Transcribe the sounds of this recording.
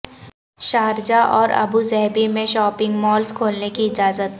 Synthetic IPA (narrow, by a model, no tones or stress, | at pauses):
ʃaːɾd͡ʒaʔɔːɾɐ̰buzɛɦbimẽʃɔːpɪ̃ŋɡmɔːlskʰoːlnekiɪd͡ʒaːzət̪